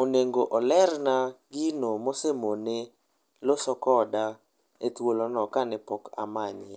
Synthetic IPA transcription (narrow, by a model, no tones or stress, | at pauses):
oneŋɡoʔɔlɛrnaɡinomosemonɪ | losɔkɔda | etwolɔnɔkanɪpɔka̰maɲa